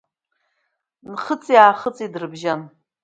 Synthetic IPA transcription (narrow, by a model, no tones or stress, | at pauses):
nχət͡sʼjaːχət͡sʼidrɨbʒan